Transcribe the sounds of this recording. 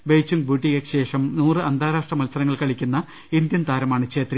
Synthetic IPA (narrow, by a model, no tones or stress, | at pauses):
bejt͡ɕːumbuːʈːiɣɐkɕe̞ːʂɐmnuːrɨɐnd̪ʱaːɾaːʂʈrɐmɐlsɐɾɐŋːɐɭkɐɭikʲːunːɐ | ind̪jɐmt̪aːɾɐmaːɳɨkɕeːt̪ri